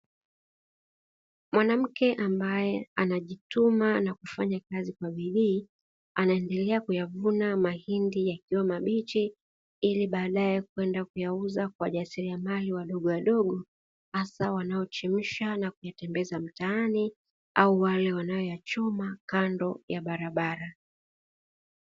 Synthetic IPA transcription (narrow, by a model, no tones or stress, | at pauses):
mwanam̩kɛʔambajɛanaʄitumanakufaɲakazikwaviɗiː | anaɛndɛlɛakujavunamahindijakiwamaɓit͡ʃi | iliɓaːɗajɛkwɛndakujauzakwaʄasiɾiamaliwaɗɔɠɔwaɗɔɠɔ | hasawanaɔt͡ʃim̩ʃanakujatɛmbɛzam̩taani | auwalɛwanajɔjat͡ʃɔmakandɔjaɓaɾaɓaɾa